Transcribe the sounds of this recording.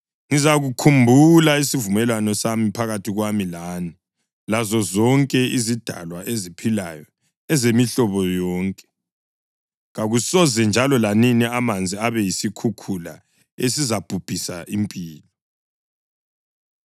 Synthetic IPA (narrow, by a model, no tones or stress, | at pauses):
ŋizaɣukʰumbʱulaisivumɛlwanɔsamipʰaɣatʰiɣwamilaːni | lazɔzɔŋkʼɛizid̥ʱa̰lwaʔezipʰilajɔ | ɛzemiɬɔβɔjɔːŋkʼɛ̥ | ɣaɣusɔzɛnd͡ʒʱalɔlaniniamand͡zʱiaβɛjisikʰukʰula̰ | esizab̥ʱub̥ʱisaʔimpʼiːlɔ